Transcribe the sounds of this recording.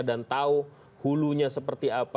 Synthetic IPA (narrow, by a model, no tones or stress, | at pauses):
dant̪au | huluɲasəpərt̪iap